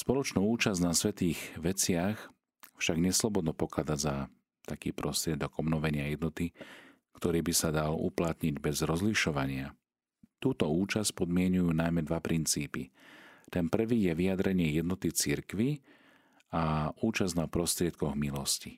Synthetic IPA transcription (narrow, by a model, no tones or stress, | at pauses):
spɔlɔt͡ʃnuːuːt͡ʃaznasʋɛt̪iːɣʋɛt͡sɪax | fʃaɡɲɛslɔbɔd̪nɔpɔkad͡zaɟza | t̪akḭːpɾɔst̪ɾɪɛd̪ɔɡɔbnɔʋɛɲɪajɛd̪nɔt̪i | kt̪ɔɾiːbisad̪alṵplat̪ɲiɟbɛzɾɔzliʃɔʋaɲɪa | t̪uːt̪ɔuːt͡ʃasc̚pɔd̪mɪɛɲujuːnajmɛd̪ʋapɾint͡siːpit̪ɛnpr̩ʋiːjɛʋijad̪ɾɛɲɪɛjɛd̪nɔt̪it͡siɾkʋi | auːt͡ʃaznapɾɔst̪ɾɪɛt̪̚kɔɣmilɔsci